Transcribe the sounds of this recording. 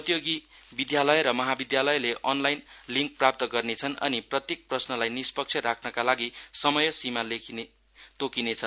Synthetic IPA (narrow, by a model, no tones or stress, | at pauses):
pʌt̪joɡi | bid̪jalʌjɾʌmʌɦabid̪jalʌjleʔʌnlajnliŋk̚prap̚t̪ʌɡʌrnet͡sʰʌnʌ̰niprʌt̪jek̚prʌsnʌlajnispʌk̚t͡sʰʌɾakʰnʌkalaɡisʌmʌjʌsimalekʰin | t̪okinet͡sʰʌn